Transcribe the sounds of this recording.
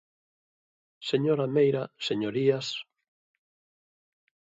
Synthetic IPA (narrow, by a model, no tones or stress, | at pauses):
seɲoɾamejɾaseɲoɾias